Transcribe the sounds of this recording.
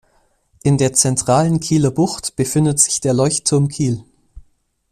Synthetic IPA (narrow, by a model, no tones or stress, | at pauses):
ʔɪndeːɐt͡sɛntʁ̥aːlənkʰiːlɐbʊxtb̥əfɪndətz̥ɪçd̥eːɐlɔʏçtʰʊmkʰiːl